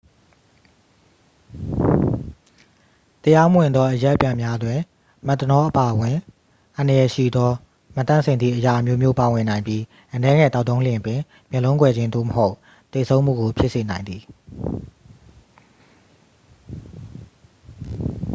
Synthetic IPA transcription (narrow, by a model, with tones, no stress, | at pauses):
t̪əja˦mə˦wɪ̃˨nd̪ɔ˦ʔəjɛ˦ʔpjã˨mja˦dwɪ̃˨ | mɛ˦˨t̪ːənɔ˦ʔəpa˨ʔəwɪ̃˨ | ʔã˨ndə˨jɛ˨ʃḭ˦˨d̪ɔ˦ | mə˨t̪ã̰˦˨sʰɪ̃˨nd̪ðḭ˦˨ʔəja˨ʔə˨mjo˦mjo˦pa˨wɪ̃˨nã˨ɪ̃mbji˦ | ʔənɛ˦ŋɛ̰˦˨t̪a˦ʊt̪ːõ˦ʊ̃ljɪ̃˨pwɪ̃˨ | mjɛ̃˨lõ˦ʊ̃kwɛ˨d͡ʑɪ̃˦nd̪o̰˦˨məɦo˦ʊʔ | t̪e˨sʰõ˦ʊ̃m̥ṵ˦˨ɡo˨pʰɪ˦ʔse˨nã˨ɪ̃nd̪i˨